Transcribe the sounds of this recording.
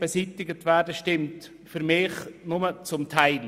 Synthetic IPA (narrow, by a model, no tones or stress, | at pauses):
b̥ɛsitɪɡətvɛːɾdəʃtɪmt | fyɾmɪːχnʊmət͡sʊmtʰaɪl